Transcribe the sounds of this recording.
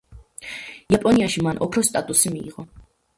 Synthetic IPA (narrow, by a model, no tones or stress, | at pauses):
japʼɔniaʃimanʔɔpʰɾɔst̪ʼat̪ʼusimḭːʁɔ